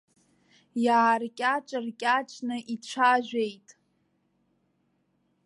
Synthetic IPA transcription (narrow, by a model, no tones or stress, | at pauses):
jaːrkʲʼaʈ͡ʂʼɨrkʲʼaʈ͡ʂʼnɨʔiʈ͡ʂʷʰaʒᶣʷejtʼ